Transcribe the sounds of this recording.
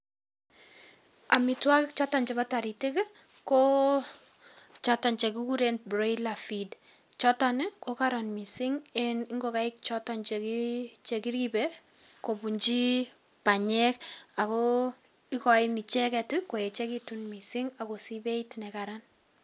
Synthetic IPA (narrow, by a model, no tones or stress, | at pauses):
amitwakɪkt͡ʃɔtɔnt͡ʃɛbataɾitɪk | ko | t͡ʃɔtɔnt͡ʃɛkikuɾenbɾelafid | t͡ʃɔtanɪkokaɾɔnmisɪŋɛniŋɡokaɪk̚t͡ʃɔtɔnt͡ʃekit͡ʃekiɾibɛ | kobuɲd͡ʒi | paɲɛkakɔ | ikɔɪnit͡ʃɛkɛtɪkojɛt͡ʃɛkitunmisiŋakosibeitnɛkaɾan